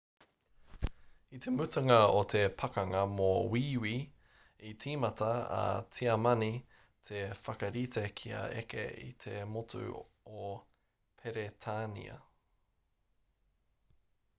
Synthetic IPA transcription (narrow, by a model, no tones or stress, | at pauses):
it̪emʉtɐŋɐot̪ʰepʰɐkɐŋɐmowiːwi | itʰiːmɐt̪ɐɐ̰t͡siɐmɐni | t̪ʰefɐkɐɾitekʰiɐ̰ḛkḛḭt̪ʰemotʰʉ̰ | o | pʰeɾet̪ʰaːnḭɐ̰